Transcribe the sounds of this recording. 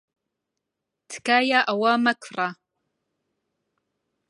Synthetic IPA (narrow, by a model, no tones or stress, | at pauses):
tʰkajaʔawamakʷʰra